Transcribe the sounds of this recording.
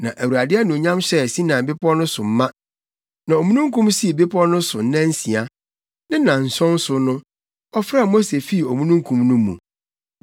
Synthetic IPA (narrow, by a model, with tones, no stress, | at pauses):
nã˨ʔæ˨wu˨ɾa˨dɪ˦ɛ˦nʊ̃˨ɲã˦mɕɛ˦˨si˦nã˨bɪ˦pʰɔ˦nʊ̃˦sʊ˨m̩˦mã˦ | nã˨o˨mũ˦nũ˦ŋkʰũ˦msi˦˨be˦pʰɔ˦nʊ̃˦sʊ˨n˦nã˦n̩˦si˨a˨ | nɪ̃˦nã˨n̩˨sɔ̃˦n˦sʊ˨nʊ̃˦ | ɔ˦fɾa˦˨mo˦se˨fi˦˨o˨mũ˦nũ˦ŋ˦kʰũ˦mnʊ̃˦mːṵ̃˨